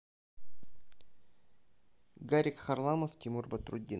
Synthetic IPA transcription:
ɡaɾʲɪkxɐrlˠaməftʲimurbɐt̪ɾʊdʲːi

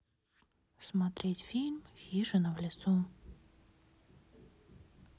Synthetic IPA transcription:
smat̪ɾʲetʲfʲilʲmxʲiʐɨnɐvlʲɪsu

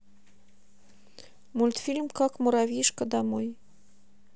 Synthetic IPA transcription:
mulʲt̪fʲilʲmkɑkmuɾɑvʲiʃkəd̪ɑmoj

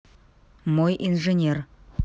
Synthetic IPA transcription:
mojʔinʐenʲer

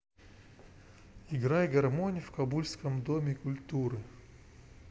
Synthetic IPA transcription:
ɪɡɾajɡɐrmonʲɪfkɐbulʲskəmd̪omʲɪkʊlʲt̪uɾɨ

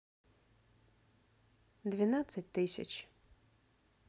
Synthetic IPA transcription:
d̪vʲɪnat̪sːət̚ʲt̪ɪsʲɐ̰t͡ʃ

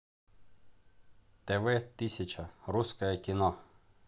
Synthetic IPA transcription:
t̪ɛʋɛt̪ɪsʲɐt͡ʃɐɾuskɔjɛkʲinɔ

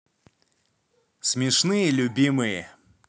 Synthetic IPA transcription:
sʲmʲɪʂnɨjəlʲʊbʲimɨjə

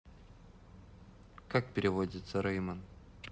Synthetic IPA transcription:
kak̚pʲɪɾʲɪvodʲɪt̪səɾɐjmən

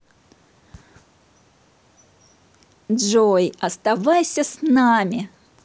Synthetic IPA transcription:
ʐojɐst̪avajsʲəsnamʲɪ

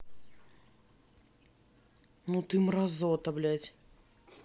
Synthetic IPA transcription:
nut̪ɨmrɐzot̪ɐblʲatʲ

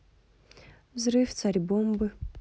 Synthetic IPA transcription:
vzɾɨft̪saɾʲbombɨ

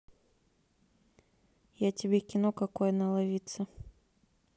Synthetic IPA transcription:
jatʲɪbʲekʲɪnokɐkojɛnɐlˠavʲit̪sə

